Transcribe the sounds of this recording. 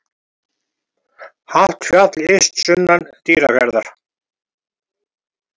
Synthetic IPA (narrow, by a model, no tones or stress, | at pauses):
haht̪fjat̪lest̪sʏnːant̪iːɾa̰kɛɾðaɾ̥